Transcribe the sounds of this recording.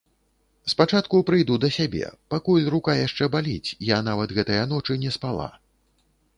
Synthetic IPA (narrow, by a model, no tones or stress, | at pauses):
spat͡ʂat̪kupɾɨjd̪ud̪ɐsʲabʲɛ̰pakulʲrukajaʂt͡ʂɛbalʲit͡sʲjanavɐt̪ɣɛt̪ɐjɐn̪ɔt͡ʂɨnʲɛspalˠa̰